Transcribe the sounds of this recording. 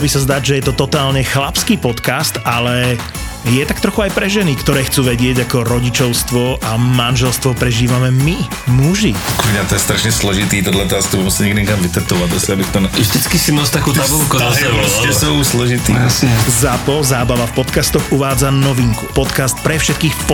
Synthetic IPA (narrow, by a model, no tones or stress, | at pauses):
bisazd̪aɟʒɛjɛt̪ɔt̪ɔt̪aːlɲɛxlapskiːpɔt̪kast̪alɛ | jɛt̪akt̪ɾɔxuajpɾɛʒɛnikt̪ɔɾɛːxt͡suːʋɛɟɪɛɟakɔɾɔɟit͡ʃɔʊst̪ʋɔʔamanʒɛlst̪ʋɔpɾɛʒiːʋamɛmi | muʒikumɲat̪ɔjɛst̪ɾaʃɲɛslɔʒit̪iːt̪ɔd̪lat̪ɔast̪ubɔmsaɲɛɡd̪iɲɛkamʋit̪ɛɾt̪uʋad̪ɔsabixt̪ɔnaʒd̪it͡skisimɔst̪akuːt̪abɔlkuzasɛɔsɛsuʊslɔʒit̪ḭjasɲɛzapɔzaːbaʋafpɔt̪kast̪ɔɣuʋaːd͡zanɔʋiːŋkupɔt̪kast̪̚pɾɛfʃɛt̪kiːxfp